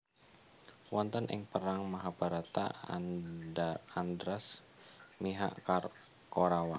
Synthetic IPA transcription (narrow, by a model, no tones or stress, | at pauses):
wɔnt̪ɔnʔɪ̰ŋpəɾaŋmaɦabaɾat̪a̰ | and̪ɾas | miɦa̰ʔkar | koɾawa